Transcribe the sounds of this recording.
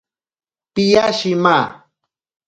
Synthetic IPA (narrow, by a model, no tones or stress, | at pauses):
pijaʃima